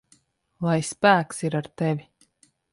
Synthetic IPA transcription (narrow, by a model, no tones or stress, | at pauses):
lˠajspæːksiɾaɾt̪ɛvʲi